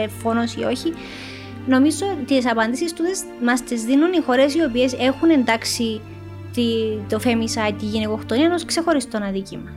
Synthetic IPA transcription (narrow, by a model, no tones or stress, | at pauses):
efo̞no̞sio̞çi | no̞mizo̞t̪isɐpɐnd̪isist̪ut̪es | mɐst̪izðinunixo̞ɾe̞sio̞pie̞se̞xune̞nd̪ɐksi | t̪it̪ofemisɐjt̪iʝiniko̞xt̪oniɐnoskse̞xo̞ɾist̪onɐðicimɐ